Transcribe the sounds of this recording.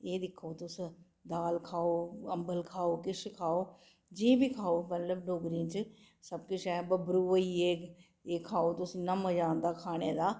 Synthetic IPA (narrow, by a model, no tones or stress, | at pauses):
eːd̪ɪkʰoːt̪ʊs | d̪aːlkʰaːoːəmbəlkʰaːoːkɪʃkʰaːoː | d͡ʒĩbiːkʰaːoːmət̪ləbɖʱoːɡɾĩt͡ʃ | səb̚kɪt͡ʃʰɛːbəbɾuːʋoiːeː | eːkʰaːoːt̪ʊsinəməd͡ʒãːnd̪aːkʰaːɽ̃eːd̪aː